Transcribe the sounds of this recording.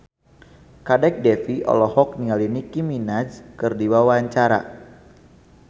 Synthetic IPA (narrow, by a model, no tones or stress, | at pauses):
kadɛk̚dɛfiʔɔ̰lɔhɔk̚nialinikiminad͡ʒkɨrdiwawaɲt͡ʃaɾa̰